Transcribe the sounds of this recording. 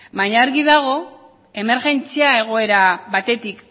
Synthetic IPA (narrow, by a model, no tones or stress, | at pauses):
baɲaːɾɣiðaɣ̞o̞ | e̞me̞ɾɣe̞nt͡siae̞ɣ̞o̞e̞ɾaβat̪e̞t̪ik